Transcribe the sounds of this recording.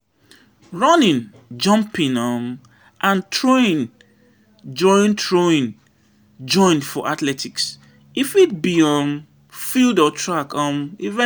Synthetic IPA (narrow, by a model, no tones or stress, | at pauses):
ɹɔnĩn | d͡ʒɔ̃mpĩnɔm | ʔãntʰɹoĩn | d͡ʒɔ̃ɪ̃ntʰɹoĩn | d͡ʒɔ̃ɪ̃ndfɔʔatlɛtʰiks | ifit̚biɔ̃m | fildɔtʰɹakɔ̃mivɛ̃